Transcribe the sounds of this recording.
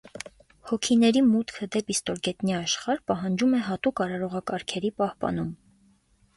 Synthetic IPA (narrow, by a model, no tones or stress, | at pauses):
hɔkʰinɛɾimut̪kʰəd̪ɛpist̪ɔɾɡɛt̪niɑʃχɑɾpɑɦɑnd͡ʒumɛɦɑt̪ukɑɾɑɾɔʁɑkɑɾkʰɛɾipɑhpɑ̰n̪um